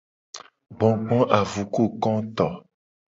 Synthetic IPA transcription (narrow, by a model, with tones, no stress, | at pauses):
ɡ͡bɔ̃˨ɡ͡bɔ̃˦ʔa˨vu˨ku˦˨kɔ̃˦t̪ɔ˨